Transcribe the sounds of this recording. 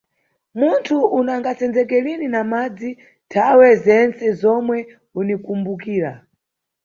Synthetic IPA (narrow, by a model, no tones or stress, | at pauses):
muntʰuunaŋɡat͡sɛnd͡zɛkɛlininamad͡zi | tʰawɛzɛnt͡sɛzɔmwɛ | unikumbukiːɾa̰